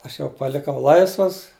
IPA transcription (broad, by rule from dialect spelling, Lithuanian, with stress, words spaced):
ˈɐʃ jɛʊ pɐˈlʲɪkɐʊ ˈlˠɐɪsʋɐs